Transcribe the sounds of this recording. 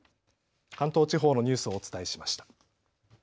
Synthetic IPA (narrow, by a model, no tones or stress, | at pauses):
kãnt̪o̞ːt͡ɕiɦo̞ːno̞ɲ̟ɨːsɨo̞ːt͡sɨ̥t̪aeɕimaɕi̥t̪ḁ